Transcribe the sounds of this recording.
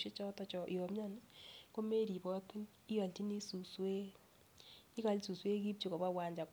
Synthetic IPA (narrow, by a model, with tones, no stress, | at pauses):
ʃe˦t͡ʃɔ˦tɔ˦t͡ʃɔ˨ʔi˨ɔ˨mɲɔ˦n˦ko˦me˦ɾi˨bɔ˦ki˦n | i˦jɔ˨nti˦ni˦su˨swe˦ | i˦ka˨li˦su˨swe˦ki˦p̚t͡ʃu˨kɔ˨ba˦wa˨ɲd͡ʒa˨k